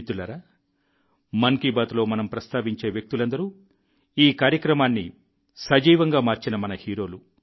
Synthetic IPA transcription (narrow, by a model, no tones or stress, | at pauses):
t̪ulɐɾaː | mɐŋkibaːt̪lo̞ːmɐnɐmpɾɐst̪aːʋiɲt͡ʃe̞ːʋjɐk̚t̪ulɐnd̪ɐɾu | iːkaːɾjɐkɾɐmaːnːḭ | sɐd͡ʒiːʋɐŋɡaːmaːɾt͡ʃinɐmɐnɐhiːɾo̞ːlu